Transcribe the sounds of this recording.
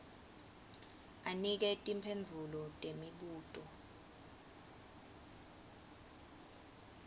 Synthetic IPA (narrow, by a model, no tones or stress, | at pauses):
anik̬ɛtʼimpʰend͡zʱulɔtʼemiɓuːtʼɔ